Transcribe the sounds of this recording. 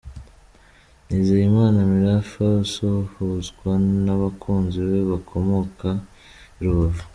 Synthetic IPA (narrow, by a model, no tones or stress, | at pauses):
niːzejimaːnamiɾafausohozɡwanaβakʰuːnziβeβakʰo̞mo̞ka | iɾuβavu